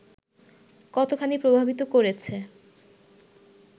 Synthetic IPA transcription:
kɔt̪okʰanipɾobʱabit̪okoɾet͡ɕʰe

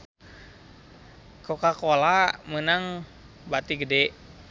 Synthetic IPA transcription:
kokakolamənaŋ | bat̪iɡədɛ

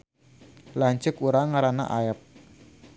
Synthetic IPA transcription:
laɲt͡ʃəkuɾaŋaɾana̰ʔaəp̚

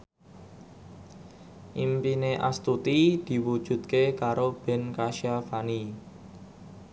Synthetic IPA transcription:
ʔimpineʔast̪ut̪id̪̥i̤wud̥ʒ̥ṳt̪̚kekaɾob̥ɛ̤nkaʃiafani

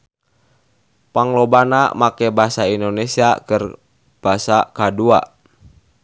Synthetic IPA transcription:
paŋlobanamakɛbaɦasaindonesiakər | b̥asakadua̰

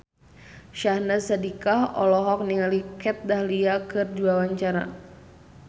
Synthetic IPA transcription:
ʃahnasadikahɔ̰lɔɦɔk̚niŋalikɛt̪̚dahliakɨrduawaɲt͡ʃaɾa̰

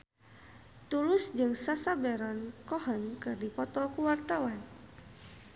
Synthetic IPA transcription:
t̪ulʊsd͡ʒɨŋsasabɛɾɔnkɔhɔnkɨrdipɔt̪ɔkuwart̪awan

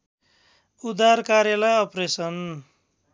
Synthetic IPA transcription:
ud̪arkaɾjalajʌpresʌn

